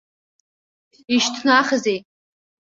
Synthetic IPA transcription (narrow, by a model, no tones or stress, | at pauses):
iʃtʰnaχəzej